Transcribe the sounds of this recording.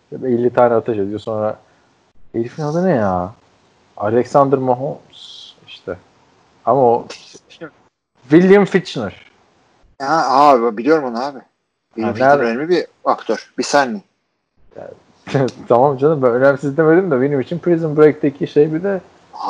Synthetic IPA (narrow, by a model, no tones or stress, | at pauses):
belʲːit̪ʰaːnɛat̪ʰaʃed̪ijo̞so̞nɾa | eɾfinald̪ɯnɯja | alʲɛksand̪ɾmaɦonsiʃt̪ʰɛ | amao | vilʲːjamfit͡ʃnɯɾ̥ | aaːbibabilʲijo̞ɾumonaaːbɪ | vinæɾelʲmʲibiakt̪ʰøɾ̥bisænːi | ja̰ | t̪ʰamamd͡ʒʰanɯmbænønæmsizd̪emed̪imd̪avilʲimit͡ʃʰinpʰɾizɯmbɾek̚d̪ecʰiʃejbid̪ɛ